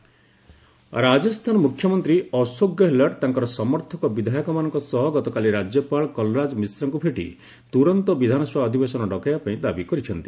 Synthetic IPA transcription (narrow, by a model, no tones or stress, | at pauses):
ɾad͡ʒɔst̪ʰanɔmukʰjɔmɔnt̪ɾiɔsoɡjɔɦelɔʈt̪aŋkɔɾɔsɔmɔɾt̪ʰɔkɔbid̪ʱajɔkɔmanɔŋkɔsɔɦɔɡɔt̪ɔkaliɾad͡ʒjɔpaɭɔkɔlɔɾad͡ʒmisɾɔŋkupʰeʈḭ | t̪uɾɔnt̪ɔbid̪ʱanɔswaːd̪ʱibesɔnɔɖɔkajapaĩd̪abikɔɾit͡ʃʰɔnt̪i̥